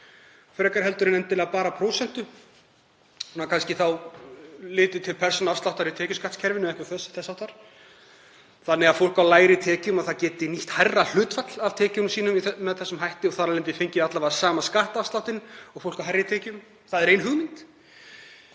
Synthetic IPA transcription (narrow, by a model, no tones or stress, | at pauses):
fɾɛːkaɾɦɛlt̪ʏɾɪnɛnt̪ɪlɛːɣapaːɾapʰɾowsɛn̥t̪ʏ | hunakʰanscɪθaw | lɪːt̪ʏt̪ʰɪlpʰɛr̥sɔnafst̪awht̪aɾit̪ʰɛːcʏskat̪scʰɛɾvɪnʏmɛhkvaθœsːʏ̥θɛsːawht̪ːaɾ̥ | θanːɛɣafowl̥kawlaːjɾɪt̪ʰɛːcʏmaθaðcɛːt̪ɪniht̪hajrːal̥ʏːt̪fat̪l̥avt̪ʰɛːcʏnsiːnʏmiθmɛðθɛsːʏmɦajht̪ɪɔɣθaɾalɛnt̪ɪfejɲcɪðat̪lavasaːmaskaht̪afst̪awt̪ɪnɔɣfowl̥kawɦajrːɪt̪ʰɛːcʏm | θaðɛɾeːjnɦʏɣmɪnt̪